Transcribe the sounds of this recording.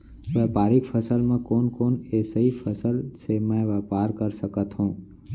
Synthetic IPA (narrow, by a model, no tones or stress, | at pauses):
ʋɛːpaːɾɪkfʰəsəlmẽkoːnkoːneːsəipʰəsəlsemɛ̃ʋɛːpaːɾkəɾsəkət̪ɦũː